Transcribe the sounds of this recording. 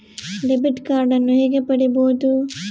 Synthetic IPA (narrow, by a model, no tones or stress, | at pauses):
ɖebiʈkaːɾɖɐnːuɦeːɡepɐɽiboːud̪u